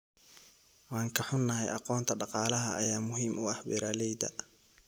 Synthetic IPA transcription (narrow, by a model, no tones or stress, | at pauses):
wɑːŋkʰɐħʊnːɐɦɛjʔɑqɔːnt̪ʰɐɖɑqɑːlɐɦɐ̰ʔːjaːmʊɦiːmʔʊɐhbɛ̰ɾaːlɛjd̪ɐ̰